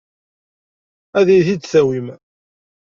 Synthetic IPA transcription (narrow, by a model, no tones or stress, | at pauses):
æðiθit͡s̪ːθæwim